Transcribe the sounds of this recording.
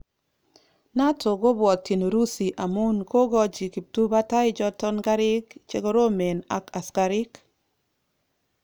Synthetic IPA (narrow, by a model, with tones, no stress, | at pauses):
na˦tʰo˨ɡo˦bwɔ˨tːi˨no˨ɾu˦si˨ʔa˨mu˦nkʰo˦ɡɔ˦d͡ʒi˨ki˨p̚tu˦ba˦ta˦ɪ˦d͡ʒɔ˦tɔ˦nɡa˦ɾɪ˦kt͡ʃe˦ɡo˦ɾo˦me˨na̰˨ka˨ska˨ɾɪ˦k